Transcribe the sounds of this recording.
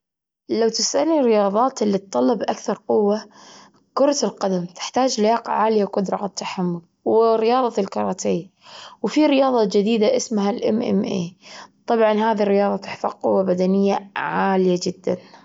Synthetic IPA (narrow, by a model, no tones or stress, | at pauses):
lawt̪ɪsanːiɾɪjɑːðˤɑːt̪ɪlːit̪̚ˤːɑlːɑbʔakθɑɾˤqʊwːa | kʊɾˤɑt̪ɪlqad̪amt̪ɪ̥ħt̪aːd͡ʒlɪjɑːqɑ̰ʕaːljawqʊd̪ɾˤɑʔat̪ːaħamːʊl | wɪɾɪjɑːðˤɑlkɑɾˤɑt̪ʰeːwfiɾɪjɑːðˤɑd͡ʒɪd̪iːd̪aʔɪsmɦalʔɪmʔɪ̰mʔḛːt̪ˤɑbʕɑnhaːðirːɪjɑːðˤɑt̪ɪħθɑ̰qqʊwːabad̪anɪjːaʕaːlɪjad͡ʒɪd̪ːan